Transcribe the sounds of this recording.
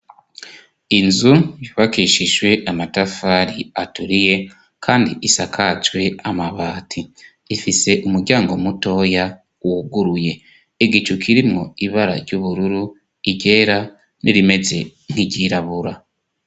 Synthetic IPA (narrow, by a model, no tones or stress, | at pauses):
inzujuβakiʃiʒwe̞ʔamatafaɾiatuɾije̞ | kʰaːndḭʔisakʰat͡ʃwe̞amaβaːtʰi | ifise̞ʔumuɾɟaːŋɡo̞muto̞ja | uuɡuɾuje̞ː | ɡit͡ʃukʰiɾimŋo̞iβaɾa̰ɾɟuβuɾuɾu | iɟe̞ːɾa | nʔiɾime̞ze̞ŋ̥hiɟiɾaβuɾa